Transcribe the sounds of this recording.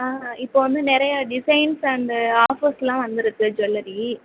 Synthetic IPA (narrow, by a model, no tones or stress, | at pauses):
aːɪpːoːʋɐnd̪ɯnɪɾɐjɐɖɪsɐɪnsɐnd̪aːfoslãːʋɐnd̪ɪɾɯtːɯd͡ʒɔlːɐɾi